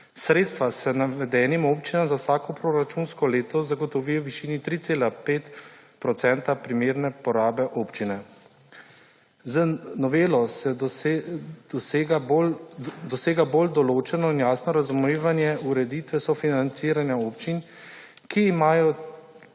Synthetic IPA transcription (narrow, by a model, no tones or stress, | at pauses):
sɾeːt̪st̪ʋasɛnaʋɛd̪ɛːnimoːpt͡ʃinamzawsaːkɔpɾoɾat͡ʃunskɔleːt̪ɔzaɡɔt̪ɔʋiːjɔwʋiʃiːnit̪ɾiːt̪seːlapeːt̪pɾɔt̪sɛnt̪apɾimeːɾnɛpɔɾaːbɛʔoːpt͡ʃinɛ | nɔʋeːlɔsɛ | d̪̥ɔsɡa | d̪ɔseːɡabold̪ɔloːt͡ʃɛnɔinjaːsnɔɾazumeːʋanjɛuɾɛd̪it̪ʋɛsɔfinant̪siːɾanjaoːpt͡ʃin | kiːmaːjɔ